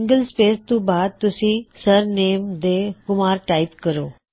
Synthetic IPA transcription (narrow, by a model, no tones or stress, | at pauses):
ŋɡəlspeːɾt̪ũbaːd̪̚t̪ʊsĩsəɾneːmd̪eːkʊmaːɾʈaːɪpkəɾoː